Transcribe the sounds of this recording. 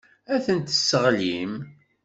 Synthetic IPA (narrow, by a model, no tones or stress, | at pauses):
æθənt̪əsːəʁlim